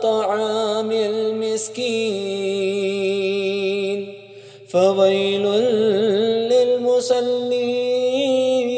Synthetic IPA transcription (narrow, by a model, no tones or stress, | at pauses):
t̪ˤɑʕaːmɪlmɪskiː | n | fawajlʊn | lɪlmʊsˤɑlːiː